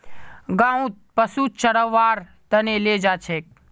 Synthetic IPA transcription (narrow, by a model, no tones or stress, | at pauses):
ɡãːũt̪̚pəsut͡ʃəɽəʋːaːɾ | t̪əneled͡ʒaːt͡ʃʰeːk̚